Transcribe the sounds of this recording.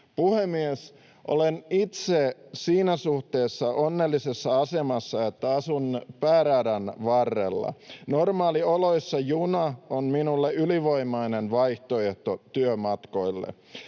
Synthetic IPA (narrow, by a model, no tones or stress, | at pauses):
puhemies | ʔo̰lenit̪sesiːnæsuht̪eːsːɑʔonːelːisesːɑɑse̞mɑsːɑet̪ːæɑsunpæːɾæːdænʋɑrːḛlːɑ̰normɑːliolo̞isːɑjunɑonminulːeyliʋo̞imɑinenʋɑjht̪oeht̪ot̪yømɑt̪ko̞ilːḛ